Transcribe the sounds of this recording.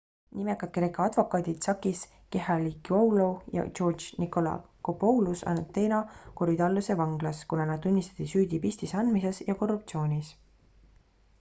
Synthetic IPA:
nimekːˑɑd̪̥̚kre̞ːkɑɑd̪̥vo̞kˑɑːd̪it̪sɑkːˑis | ke̞ɦɑlikowlojɑ̰t͡ʃo̞ːrd̪d͡ʒniko̞lɑ̰ | kopowlusɑ̰nt̪ːe̞ːnɑkoɾid̪ɑlːuse̞vɑŋɡ̥lɑskunɑnɑd̪unʲːist̪ɑ̥t̪ːisyːd̪ʲipist̪isɑnd̪mise̞sjɑko̞rːupt̪sio̞ːnʲis

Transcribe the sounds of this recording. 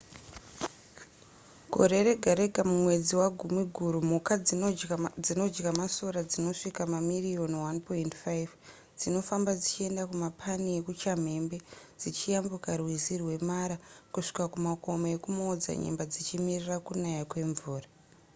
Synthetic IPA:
ɡ̥ʱo̞̰ɾe̞ɾe̞ɡʱaɾe̞ɡʱamumwe̞d͡ziwaɡʱumiɡʱuɾum̤uka | d͡zino̞d͡ʒɡamasoɾad͡zino̞ʂikamamirio̞nwanpointfajv | d͡zino̞fambad͡zit͡ʃie̞ndakumapʰanije̞kut͡ʃam̤e̞mbe̞ | d͡zit͡ʃijambukarwizirwe̞maɾakuʂi̥kakumako̞moje̞kumod͡za̰ɲḛmbad͡zit͡ʃimirirakunajakwe̞ɱvuːra

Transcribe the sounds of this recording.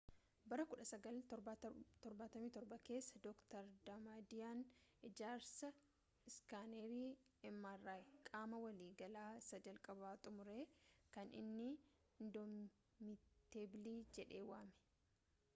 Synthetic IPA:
bɐɾɐkʊᶑɐsɐɡɐl | t̪ɔɾbaːt̪ɐmiːt̪ɔɾbɐke̞ːsːɐd̪ɔkt̪ɐɾd̪ɐmaːd̪ɪjaːnʔɪd͡ʒaːɾsɐ | ɪskaːneːɾiː | ɛmːaːrːaːkʼaːmɐwɐliːɡɐlaːɪsɐd͡ʒɐlkʼɐbaːt̪ʼʊmʊɾeːkɐnɪ̰nːɪ | ɪnd̪ɔm | mɪt̪eːbɪliːd͡ʒɛᶑe̞ːwaːmɛ̥

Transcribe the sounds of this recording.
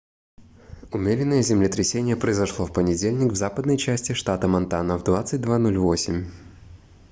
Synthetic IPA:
ʊmʲeɾʲɪnːəjəzʲɪmlʲɪt̪ɾʲɪsʲenʲɪjəpɾəɪzɐʂlˠofpənʲɪdʲelʲnʲɪkvzapəd̪nəjt͡ɕæsʲtʲɪʂt̪at̪əmɐnt̪anəvd̪vat̪sɨt̚ʲd̪vanolʲvo̞sʲɪmʲ

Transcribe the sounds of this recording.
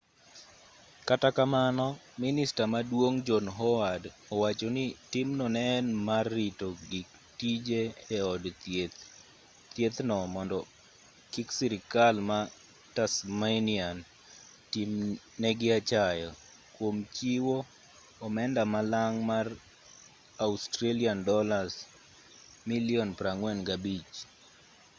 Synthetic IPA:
katakamanɔ | ministamadwoŋd͡ʒɔnɦɔwad | ɔwat͡ʃonɪtimnɔnɛnmarːitoɡik | tid͡ʒeːɔdet̪ | t̪jet̪nɔmɔndɔ | kiksiɾɪkalma | tasmajnian | tim | nɛɡɪat͡ʃajɔ | kwomt͡ʃiwo | ɔmɛndamalaŋmar | austɾeliandɔlas | miliɔnpɾaŋwɛnɡabit͡ʃ

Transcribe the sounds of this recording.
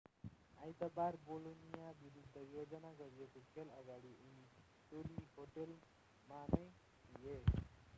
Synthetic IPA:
ajt̪ʌbaɾbolonijabiɾud̪ʱːʌjod͡zʌnaɡʌɾijekokʰelʌɡaɽiuni | ʈoliɦoʈel | manʌj | d̪ije

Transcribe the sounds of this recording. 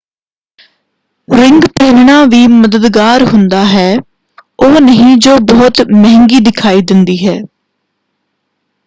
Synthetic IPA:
ɾɪŋɡpeːʋɳãːʋiːməd̪əd̪ɡaːɾɦʊnd̪aːɦɛː | oːnəɦĩːd͡ʒoːbɔːt̪mɛɦɛŋɡiːd̪ɪkʰaːiːd̪ɪnd̪iːɦɛː

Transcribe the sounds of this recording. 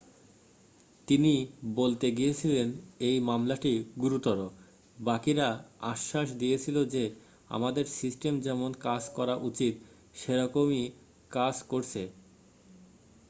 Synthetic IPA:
t̪inibolt̪eɡijet͡ɕʰilenejmamlaʈiɡuɾut̪ɔɾo | bakiɾaa̰ʃːaʃ̬d̪ijet͡ɕʰilod͡ʑe | a̰mad̪eɾsisʈemd͡ʑɛmonkad͡ʑkɔɾaʔut͡ɕit̪̚ | ʃeɾɔkomi | kad͡ʑkoɾt͡ɕʰe

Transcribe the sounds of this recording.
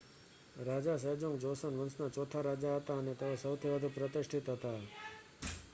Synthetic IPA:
ɾad͡ʒasəd͡ʒõŋɡd͡ʒosənʋənsnat͡ʃɔt̪ʰaɾad͡ʒaɦət̪aənet̪eʋosəwt̪ʰiʋəd̪ʱupɾət̪ɪʂʈʰit̪ɦət̪a

